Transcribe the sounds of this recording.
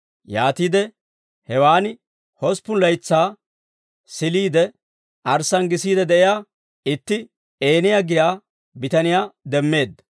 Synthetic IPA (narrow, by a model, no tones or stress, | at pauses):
jaːt̪iːd̪ɛ | hɛwaːnɪ | hɔspʊnlɐjt͡sːaː | sɪliːd̪ɛ | ʔɐɾsɐnɡɪsiːd̪ɛd̪ɛʔɪjaː | ɪt̪ːɪ | e̞ːnɪjaːɡɪjaː | bɪt̪ɐnɪjaːd̪ɛmːe̞ːd̪ɐ